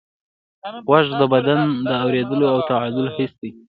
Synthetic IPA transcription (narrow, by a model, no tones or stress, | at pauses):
ɣwaʒd̪əbad̪and̪əawɾed̪əloawt̪aʕad̪ʊlhɪsd̪i